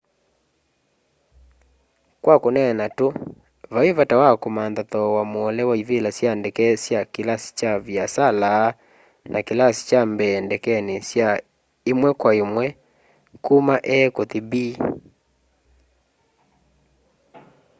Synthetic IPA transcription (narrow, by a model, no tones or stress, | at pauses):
kwakonɛnato | βaevatawakomandatɔwamwɔlɛwaivelasjandɛkɛsjakelasi̥t͡ʃavjasala | nʔakelasi̥t͡ʃambɛndɛkɛnesja | emwɛkwaemwɛ | kumaʔɛkotibi